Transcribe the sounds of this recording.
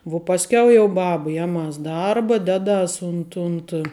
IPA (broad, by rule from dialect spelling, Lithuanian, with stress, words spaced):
ʋuɔ pɐsʲˈkʲɛʊ jɛʊ ˈbɑːbɐ ˈjæːˌmɐs ˈdɐrbɐ ˈdʲæːˌdɐs ˈʊnt ʊnt